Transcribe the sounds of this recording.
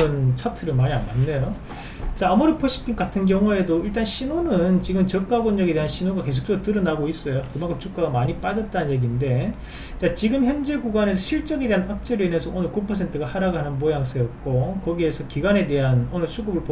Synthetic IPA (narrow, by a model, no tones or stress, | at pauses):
ɯnt͡ɕʰʌtʰɯɾɯɭmaɲiambanːejo | t͡ɕaːmuɾepʰʌɕʰi̥p͈ʰiŋkatʰɯnk̬jʌŋue̞doiɭt͈anɕʰinonɯnt͡ɕiɡɯmt͡ɕʌk͈aɡonɲʌɡede̞ɦanɕʰinoɡake̞s̬ʰo̥k̚t͡ɕ͈ootɯɾʌnaɡois͈ʌjokɯmaŋkʰɯmt͡ɕʰuk͈aɡamaɲip͈ad͡ʑʌt̚t͈annje̞ɡinde̞ | t͡ɕat͡ɕiɡɯmçjʌnd͡ʑe̞ɡuɡwane̞s̬ʰʌɕʰiɭt͡ɕ͈ʌɡedeanak̚t͡ɕ͈eɾɯinɦe̞sʰʌʔonɯɭkupʰʌsʰe̞ntʰɯɡahaɾaɡɦanɯnmojaŋs͈ʰejʌt̚k͈okʌɡie̞sʰʌkiɡane̞de̞ɦanonɯɭsʰuɡɯbɯɭpo